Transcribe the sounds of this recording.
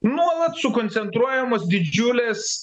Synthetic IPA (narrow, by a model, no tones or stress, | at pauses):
nuɔlˠɐt̪sʊkɔnʲt̪sʲɛnt̪ɾuɔjɛmoːsd̪ʲɪd͡ʒʲʊlʲeːs